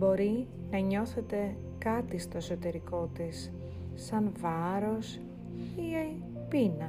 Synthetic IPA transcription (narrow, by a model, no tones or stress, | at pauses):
bo̞ɾi | nɐɲo̞θe̞t̪e̞ | kɐt̪ist̪o̞eso̞t̪e̞ɾiko̞t̪isː | ɐnvɐɾo̞s | i | pinɐ